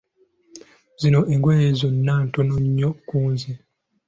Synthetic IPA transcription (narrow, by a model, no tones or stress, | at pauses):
zinoʔeŋɡweːjezonːaːntonoɲːokuːnzi